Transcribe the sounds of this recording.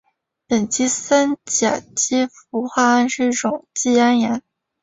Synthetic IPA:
pə˨˩nt͡ɕi˥sa˥nt͡ɕja̰˨˩t͡ɕi˥fu˧˥xwa˥˧a˥nʂɻ̩˥˧i˥˩ʈ͡ʂʊ˨˩ŋt͡ɕi˥˩a˥nja˧˥n

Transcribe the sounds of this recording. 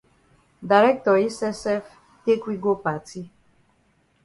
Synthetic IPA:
da˨ɾɛ˦k̚t̪ɔ˨ɾi˦sɛ˦sɛ˦f | t̪e˦kʷi˦ɡo˦pa˨ti˦

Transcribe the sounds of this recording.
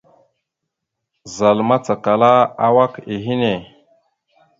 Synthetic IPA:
za˨lma˦t͡sa˨ka˨la˦a˦wa˦ki˨ɦi˦ne˨

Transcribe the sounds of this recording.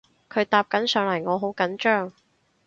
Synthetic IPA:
kʰɵ˨˧ɥt̪aː˧p̚kɐ˨˥nsœː˨˧ŋlɐ˨˩jŋɔː˨˧ɦo˨˥wkɐ˨˥nt͡ʃœː˥ŋ

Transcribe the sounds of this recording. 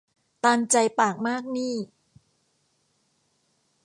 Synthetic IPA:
t̪aː˧nt͡ɕa˧jpaː˨˩k̚maː˥˩k̚niː˥˩

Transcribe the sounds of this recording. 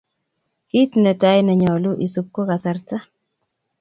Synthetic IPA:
ki˦tnɛ˨ta˦jnɛ˨ɲɔ˨lu˦ʔi˨sup̚ko˦ka˨sa˨rta˦

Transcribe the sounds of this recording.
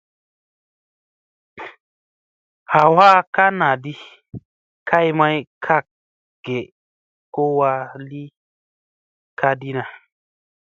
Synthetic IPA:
ha˨wa˦ka˦na˨di˦ | kʰa˦jma˦jkʰa˦k̚ | ɡ̥e˨ | ko˦wa˧li˦ | kʰa˦di˦na˨

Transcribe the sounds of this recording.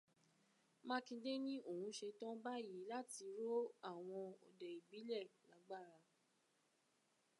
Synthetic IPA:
mã˦kĩ˧de˦nĩ˦o˦˨hũ˧ʃe˧tɔ̃˦ba˦ji˨˦la˦ti˧ɾo˦a˦˨w̃ɔ̃˧ɔ̰˨dɛ˨i˨bi˨˦lɛ˦˨la˨˦ɡ͡ba˦˨ɾa˧

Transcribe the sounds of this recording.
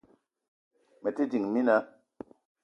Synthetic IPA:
me˨ti˦di˨ŋmi˦na˦

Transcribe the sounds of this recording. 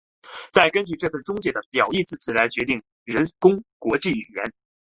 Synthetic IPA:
t͡sa˥˩ɪkə˥nt͡ɕy˥˧ʈ͡ʂɤ˥˧t͡sʰɹ̩˥˩ʈ͡ʂʊ˥ŋt͡ɕjɛ˧˥˩d̪ə˧pjɑ˨˩ʊi˥˧t͡sɹ̩˥˩t͡ɕʰi˨˩la˧˥ɪt͡ɕɥɛ˧˥t̪̬i˥˩ŋ | ɻə˧˥nkʊ˥ŋkwɔ˧˥t͡ɕi˥˩y˨˩ɥɛ˧˥n

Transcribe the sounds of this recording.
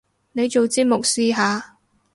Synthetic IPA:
ne˨˧jt͡ʃo˨wt͡siː˥p̚mʊ˨k̚siː˧ɦaː˨˧

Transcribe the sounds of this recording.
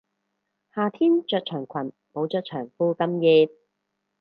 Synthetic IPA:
haː˨˩t̪ʰiː˥nt͡ʃœː˧t̚t͡ʃʰœː˨˩ŋkʷʰɐ˨˩n | po˨˥wt͡ʃœː˧k̚t͡ʃʰœː˨˩ŋfuː˧kɐ˥mjiː˧t̚

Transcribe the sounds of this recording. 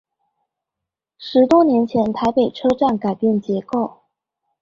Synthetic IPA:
ʂɻ̩˧˥t̪wɔ˥njɛ˧˥nt͡ɕʰjɛ˧˥nt̪ʰa˧˥ɪpe˨˩ɪʈ͡ʂʰɤ˥ʈ͡ʂa˥˩nka˨˩ɪpjɛ˥˩nt͡ɕjɛ˧˥ko˥˩ʊ

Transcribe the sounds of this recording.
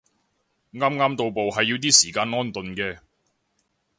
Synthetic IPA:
ŋaː˥mŋaː˥mt̪o˨˧wpo˨wɦɐ˨jːiː˧wt̪iː˥siː˨˩kaː˧nŋɔː˥nt̪ɵ˨nkɛː˧

